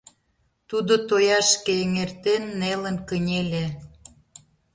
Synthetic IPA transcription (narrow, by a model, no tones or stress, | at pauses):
t̪ud̪ot̪ojɑʃkeeŋert̪enːelənkə̆nʲelʲe